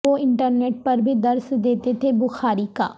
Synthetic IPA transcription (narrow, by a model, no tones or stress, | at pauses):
oːɪɳʈəɾneːʈ̚pəɾbʱiːd̪əɾsd̪eːt̪eːt̪ʰeːbʊxʰaːɾiːka̰ː